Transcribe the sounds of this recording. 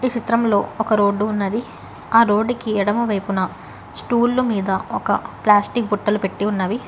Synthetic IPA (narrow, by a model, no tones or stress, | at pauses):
it͡ʃit̪ɾɐmlo̞ːɔkɐɾo̞ːɖːuːnːɐd̪i | aːɾo̞ːɖːikiɛɽɐmɐʋɐjpunɐ | sʈuːlːumiːd̪ɐɔkɐ̰plaːsʈik̚buʈːɐlupeʈːiunːɐːʋi